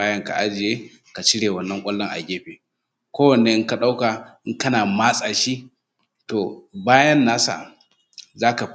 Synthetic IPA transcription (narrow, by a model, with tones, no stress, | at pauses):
aː˦jɐ˦ŋka̰˨ʔa˦d͡ʒɪ˨jeː˦ | ka˨t͡ʃɪ˦ɽeː˨wɐ˨nːɐ˦ŋkʷʼɐ˦lːɐ˦ŋʔa̰˨ɡʲeː˦ɸeː˨ | kʷoː˦wɐ˨nːe˦ʔɪ˦ka˨ɗa˦wka˨ʔɪ˦ŋkɐ˦naː˨maː˦sʼaː˨ʃi˦ʔ | toː˨baː˦jɐ˦nːaː˦sa̰˨ | zaː˦ka˨